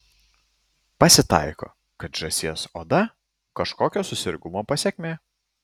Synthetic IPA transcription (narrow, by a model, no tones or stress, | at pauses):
pɐsʲɪt̪ɐ̰ɪko̰ː | kɐt̪ʒɐsʲiɛsoːd̪ɐ | kɐʃkoːkʲoːsʊsʲɪɾʲɡʊmoːpɐsʲeːkʲmʲeː